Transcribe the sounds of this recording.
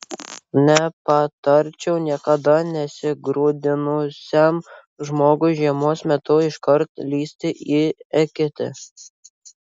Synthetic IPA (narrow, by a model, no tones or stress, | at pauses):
nʲɛpɐt̪ɐɾʲt͡ʃʲɛʊnʲiɛkɐd̪ɐnʲɛsʲɪɡɾuːd̪ʲɪnʊsʲɛm | ʒmoːɡʊʒʲiɛmoːsmʲɛt̪ʊɪʃkɐɾt̪lʲiːsʲt̪ʲɪʔiɛkʲɪt̪ʲɪ̰